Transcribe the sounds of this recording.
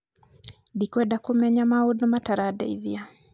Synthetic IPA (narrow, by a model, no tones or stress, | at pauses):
dikwɛdakomaɲamaodnɔmataɾadɛ̰ḭðia